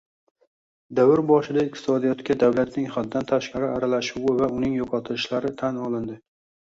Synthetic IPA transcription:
d̪awɪɾbɒʃɪd̪aɪq̚t̪ʰɪ̥sɒd̪ijɒt̪kʲad̪awlat̪nɪŋχad̪̚ːant̪ʰaʃqɑɾɪaɾalaʃʊwɪvaʊnɪŋjɒqʰɒt̪ʰɪlɪʃlaɾɪt̪ʰanɒlˠɪnd̪ɪ

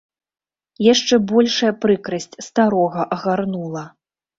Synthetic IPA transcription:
jaʂt͡ʂɛbɔlʲʂɐjɐpɾɨkɾɐsʲt͡sʲst̪aɾɔɣɐʔɐɣarnulˠɐ

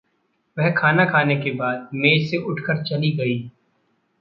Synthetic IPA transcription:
ʋɛɦkʰaːnakʰaːnekebaːd̪̚meːseʔʊʈʰkəɾt͡ʃɐliɡɐiː

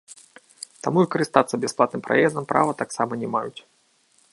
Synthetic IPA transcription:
t̪amuvɨkɐɾɨst̪at̪sːɐbʲɛsplˠat̪nɨmpɾa̰jɛzd̪ɐmpɾʔa̰vɐt̪aksamɐnʲɛmajut͡sʲ

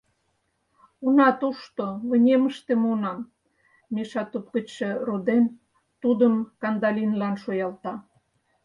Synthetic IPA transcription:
unɑt̪uʃt̪oβə̆nʲeməʃt̪emunɑmː | eʃɑt̪up̚kə̆t͡ɕʃĕrod̪en | t̪ud̪əmkɑnd̪ɑlʲinlɑnʃojɑlt̪ɑ

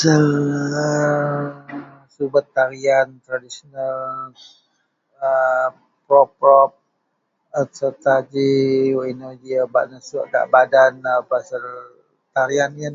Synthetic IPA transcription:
sələ | subət̪ːaɾiant̪ɾadisonal | ə | pɾɔpɾɔp̚ | ət̪sət̪ad͡ʒiinəd͡ʒiaba̰ʔnəsuʔda̰ʔbadanapasəl | t̪aɾianan

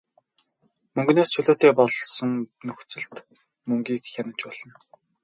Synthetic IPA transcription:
mɵŋɡneːst͡ɕʰɵɮoːt̪eːpɔɮsɞ̆ŋnɵxt͡sɘ̆ɮt̪ | mɵŋɡʲiːkxʲjanə̆t͡ɕpɔɮ̥ɞ̆n

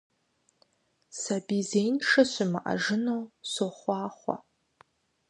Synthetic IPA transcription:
sɐbizejnʂɐɕɪmɨʔɐ̰ʐɨnowsoχʷɑːχʷɔ̰

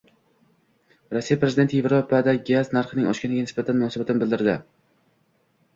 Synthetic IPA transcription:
ɾosːijapɾezɪd̪e̞nt̪ʰjevɾopad̪aɡʲaznaɾχɨnɪŋɒʃkʲanɪɡʲanɪsbat̪ʰanmʊnɒːsabat̪ʰɪnɪbɪld̪ɪɾd̪ɪ

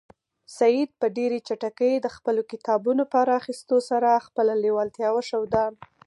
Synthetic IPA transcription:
sajid̪̚pəɖeɾet͡ʃaʈakəjd̪əxpəlokɪt̪ɑbunopɑɾaːxist̪osaɾaxpəlalewɑlt̪jɑwaʃawd̪ɑn

